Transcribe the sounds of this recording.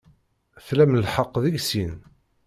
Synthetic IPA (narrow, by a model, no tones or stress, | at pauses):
θlæmlħəqːðiʝsin